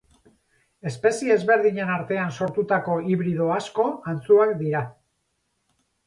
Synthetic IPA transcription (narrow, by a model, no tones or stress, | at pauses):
e̞spe̞siezβe̞ɾðiɲe̞naɾt̪e̞anso̞ɾt̪ut̪ako̞iβɾið̞o̞asko̞ant͡suakd̪iɾa